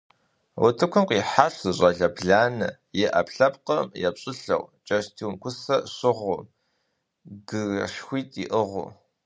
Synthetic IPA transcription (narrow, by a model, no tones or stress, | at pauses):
wʊ̰tʰɨkʷʰʊmqʼiːħaɬʷzɨɕʼɐɮɐbɮaːnɐ | jɛʔɐpɬɐpqɐmjɛpɕʼɪɬɐ̰wt͡ʃʼɐʃtʰiwmkʷʰʊsɐɕɪʁʷʊ̰m | ɡɨʃxʷiːtʼiʔəʁʷʊ̰